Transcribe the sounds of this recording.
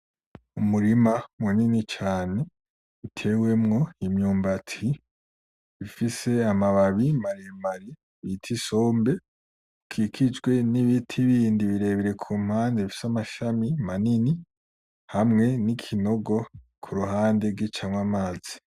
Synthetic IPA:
umuɾimamuninit͡ʃaːne̞ | itʰe̞we̞mŋo̞imɲuːmbatʰi | βifise̞amaβaβimaɾemaɾi | βitʰiso̞ːmbe̞ | kʰikʰid͡ʒɡwe̞niβitʰiβiːndiβiɾe̞βiɾe̞kʰuːm̥haːndeβifi̥samaʃamimanini | hamŋe̞nikʰino̞ɡo̞ | kʰuɾuɦaːnde̞ɾɡit͡ʃaŋwamaːz̥i̥

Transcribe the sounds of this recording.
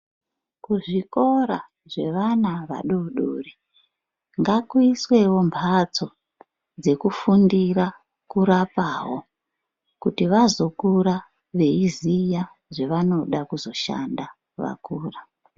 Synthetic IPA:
kuʐiko̞ɾa | ʐe̞̰ʋanaʋa̰ɗuɗṵːri | ŋɡakwiswe̞wo̞mbʰʱat͡so̞ | d͡ze̞kufundiɾa | kuɾapaːɦo | kutiʋazo̞kuɾa | ʋe̞izija | ʐe̞ʋano̞ɗakuzo̞ʃa̰nda | ʋa̰kuːra

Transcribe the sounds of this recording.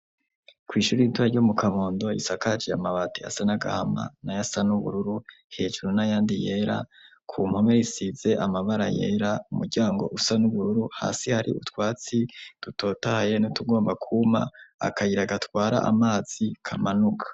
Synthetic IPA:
kwiːʃuːɾiituaɾɟomukʰaβoːndo̞isakat͡ʃijamaβatia̰sanaɡa̰hama̰najasanuβṵɾuɾu | he̞ːd͡ʒuɾunajaːndije̞ɾa̰ | kʰum̥ho̞meɾisize̞ʔamaβaɾa̰je̞̰ːɾaumuɾɟaːŋɡo̞̰ʔusanuβuɾuɾuha̰ːsihaɾḭʔṵtwaːt͡sid̥uto̞ːtahaje̞nutuɡo̞ːmbakʰuma̰a̰kajiɾaɡatwaːɾa̰ʔa̰maːz̥ikʰamanukʰḁ

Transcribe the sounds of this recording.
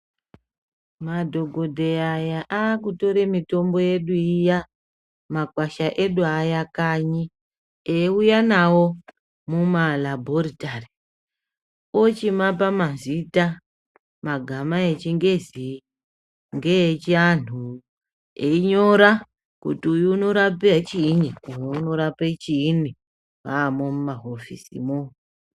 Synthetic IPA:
madʱo̞ɡʱo̞dʱeajaʔaːkuto̞ɾe̞mito̞mbo̞je̞ɗuija | makwaʃaʔeɗuajakaɲi | eujanawo̞ | mumalabʱo̞ritari | ot͡ʃimap̬amazita | maɡʱamaet͡ʃiŋɡe̞zi | ŋɡet͡ʃian̤u | eiɲo̞ɾa | kṵtiujuːno̞ɾapiat͡ʃiːniujouno̞ɾapet͡ʃiːni | waːmomumaɦofḭsḭmo

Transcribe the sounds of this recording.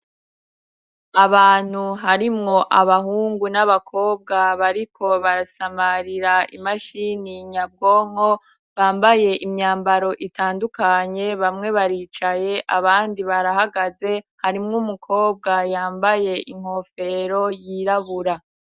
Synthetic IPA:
aβaːn̥huɦaɾimŋo̞ʔaβaɦuːŋɡunaβakʰo̞ːb̚ɡaβaɾikʰo̞βaɾasamaɾiɾaimaʃiniɲab̚ɡo̞ːŋ̥ho̞ | βaːmbaje̞ʔimɲaːmbaɾo̞ʔitaːndukaɲe̞βamŋe̞βaɾiːt͡ʃaje̞ʔaβaːndiβaɾaɦaɡaze̞haɾimŋumukʰo̞ːb̚ɡajaːmbaje̞ʔiŋ̥ho̞fe̞ɾo̞jiɾaβuɾa

